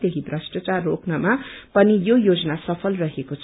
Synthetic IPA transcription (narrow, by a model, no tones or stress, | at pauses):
d̪ekʰibrasʈʌt͡sarːoknʌmapʌnijojod͡zʌnasʌpʰʌlrʌɦekot͡sʰ